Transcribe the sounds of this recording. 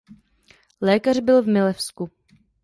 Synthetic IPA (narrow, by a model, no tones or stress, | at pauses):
lɛːkar̝bɪlvmɪlɛfsku